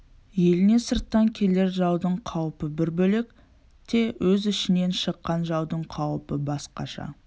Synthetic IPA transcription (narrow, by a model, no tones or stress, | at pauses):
je̞lɪne̞səɾt̪ːɑŋkʲʰe̞le̞ɾʒɑwd̪əɴqʰɑwəpəbɪɾbɵle̞k | t̪ʰe̞wɵzɪʃɪne̞nʃəqːɑnʒɑwd̪əɴqʰɑwəpəbɑsqɑ̰ʃɑ̰